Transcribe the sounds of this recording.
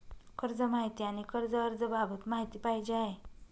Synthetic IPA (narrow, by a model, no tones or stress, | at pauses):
kəɾd͡zəmaɦit̪iañikəɾd͡zəəɾd͡zəbʱabət̪maɦit̪iːpajd͡ʑeaɦe